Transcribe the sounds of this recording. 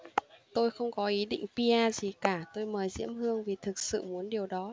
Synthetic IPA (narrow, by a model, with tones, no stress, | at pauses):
t̪o˧jxə˧wŋ͡mkɔ˨˦ʔi˨˦ɗḭ̈˧˨ŋ̟pi˧ʔaː˧zi˨˩kaː˧˩t̪o˧jməː˨˩jzḭ˧˥əmhɨ˧əŋvi˨˩t̪ʰɨ˨˩k̚sɨ̰˧˨mu˨˦ənɗi˨˩əwɗɔ˨˦